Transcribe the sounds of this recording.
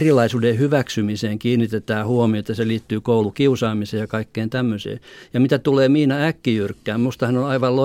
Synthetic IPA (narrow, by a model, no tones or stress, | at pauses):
rilˑɑisuːdehyʋæksymiseːŋkiːnit̪et̪æːhuomioet̪ːɑseliːt̪ːyːkoulukiusɑːmiseːjɑkɑikːeːnt̪æmːøsḛːjɑmit̪æt̪uleːmiːnɑækːijyrkːæːmmust̪ɑhɑnonɑiʋɑllo